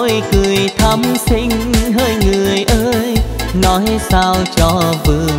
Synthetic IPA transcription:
jkɨ˨˩əjt̪ʰa˧˥msi˧ŋ̟ɦəː˧˩jŋɨ˨˩əjʔəː˧jnɔ˨˦jsaː˧wt͡ɕɔ˧vɨ˨˩

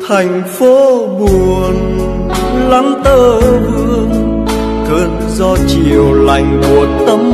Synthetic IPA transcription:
t̪ʰa˨˩jŋ̟fo˨˦ɓu˨˩ən | la˨˦ŋt̪əː˧˩vɨ˧əəŋ | kəː˧n | zɔ˧t͡ɕi˨əwla˨˩jŋ̟mo˨˩ət̚t̪ə˨˧˦m

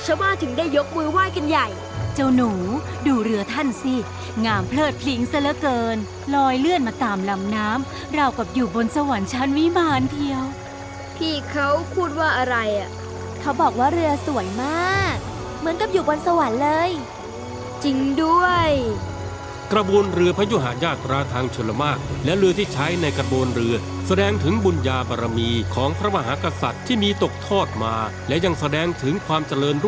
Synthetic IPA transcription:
t͡ɕʰa˦˥wmaː˥˩t̪ʰɯ˩˦ŋdaː˥˩jːo˦˥k̚mɯː˧waː˥˩jka˧nja˨˩j | t͡ɕa˧wnuː˩˦ | duː˧ɾɯ˧ɐt̪ʰa˥˩nsi˧˩ | ŋaː˧mpʰlɤː˥˩t̪̚pʰli˦˥ŋsa˧˩la˦˥kɤː˧n | lɔː˧jlɯ˥˩ənmaː˧t̪aː˧˩mla˧mnaː˦˥m | ɾa˧˩wka˨˩p̚juː˨˩bo˧nsa˧wa˨˩˦nt͡ɕʰa˦˥nwi˦˥maː˧˥nt̪ʰi˧əw | p̪ʰiː˥˩kʰa˦˥wpʰuː˥˩t̪̚waː˥˩ʔa˧ɾa˧jʔa˨˩ | kʰa˦˥wbɔː˨˩k̚waː˥˩ɾɯ˧ɐsu˨˩˦əjmaː˥˩k̚ | mɯ˩˦ənka˨˩p̚juː˨˩bɔ˧nsa˧wa˩˦nlɤː˧j | t͡ɕi˧ŋdu˥˩əj | kɾa˧boː˧nɾɯ˧əpʰa˦˥ju˦˥˩ɦaː˩˦jaː˥˩t̪ːɾaː˧t̪ʰaː˧ŋt͡ɕʰɯ˧nla˧maː˥˩k̚lɛ˦˥ɾɯ˧t̪ʰiː˥˩t͡ɕʰa˦˥jna˧jkɾa˧boː˧nɾɯ˧ɐ | sa˧dɛː˧ŋt̪ʰɯ˩˦ŋbu˧njaː˧baː˧ɾa˧miː˧kʰɔː˩˦ŋpʰɾa˦˥ma˧ɦaː˩˦ka˧sa˨˩t̪ʰːiː˥˩miː˧t̪o˨˩k̚t̪ʰɔː˥˩t̪̚maː˧ | lɛ˦˥ʔja˧ŋsa˧dɛː˧ŋt̪ʰɯ˩˦ŋkʰwaː˧mt͡ɕa˧ɾɤː˧nɾu˥˩

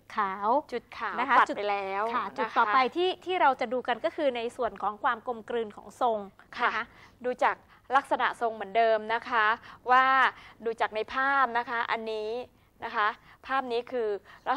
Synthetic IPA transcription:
kʰaː˩˦wt͡ɕu˨˩t̪̚kʰaː˩˦wa˦˥a˦a˨˩t͡ɕu˨˩pa˧jlɛː˦˥wʰa˥˩t͡ɕu˨˩˦t̪ʰːɔː˨˦pa˧jt̪ʰiː˥˩t̪ʰiː˥˩ɾa˧wt͡ɕa˨˩duː˧ka˧nkɔː˥˩kʰɯː˧na˧jsu˨˩ənkʰɔː˩˦ŋkʰwaː˧mko˧mkɾɯː˧nkʰɔ̰ː˩˦ŋso˧ŋkʰa˦˥˩duː˧t͡ɕaː˨˩k̚ | la˦˥k̚sa˧na̰˨˩ʔso˧ŋmɯ˩˦əndɤː˧mna˦˥kʰa˦˥waː˥˩duː˧t͡ɕaː˨˩k̚na˧jpʰaː˥˩p̚na˦˥kʰa˦˥ʔa˧nːiː˦˥ | na˦˥kʰa˦˥ | pʰaː˥˩p̚niː˦˥kʰɯː˧ɾa˧˩

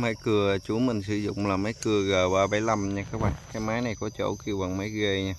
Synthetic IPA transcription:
ma˧˦jkɨ˨˩ə˨t͡ɕu˨˦mï˨˩ŋ̟sɨ˧˦zʊ̰˧˨ŋ͡mlaː˨˩mə˨˦jkɨ˨˩əɣaː˨˩vaː˨˩va˧˦jla˨˩mɲaː˧kaː˨˥k̚ɓa̰ː˧˨ŋkaː˨˦jmaː˨˦jna˨˩jkɔ˨˦t͡ɕo̰˧˩ki˧˩əwɓa˨˩ŋma˨˦jɣe˧˩ɲaː˧˦

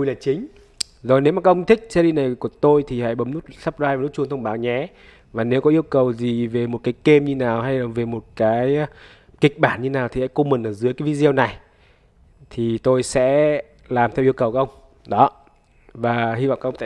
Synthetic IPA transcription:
jlaː˨˩t͡ɕï˨˦ŋ̟ | zo˨˩jne˨˦wma˨˩a˦˥ʔə˧ŋ͡mt̪ʰï˦˥k̚sɛ˧li˧na˨˩jku˧˩ət̪o˧jt̪ʰi˨˩ha̰˧˥jɓə˨˦mnu˦˥t̚sə˦˥p̚zwaː˧jva˨˩nu˦˥t̚t͡ɕu˧ə˧nt̪ʰwŋ͡mɓaː˨˦wɲɛ˨˦ | vaː˨˩ne˨˦wkɔ˨˦ʔi˧əwkə˨˩wzi˨˩ve˨˩mo˨˩t̚kaː˨˦jke˧mɲɨ˧naː˨˩wha˧jlaː˨˩ve˨˩mo˨˩t̚kaː˨˦j | kï˨˩k̚ɓaː˧˩nɲɨ˧naː˨˩wt̪i˨ha̰ː˧˥jko˧mə˨˩nʔəː˧˩zɨ˨˦əjkaː˨˦vi˨˧˦zi˧ə˧wna˨˩j | t̪ʰi˨˩t̪o˧jsɛ̰˧˥ | laː˨˩mt̪ʰɛ˧wi˧əwkə˨˩wkaː˦˥ʔə˧ŋ͡m | ɗɔ˨˦ | vaː˨˩ɦi˧va̰˧˨ʔka˦˥˧t̪a˧

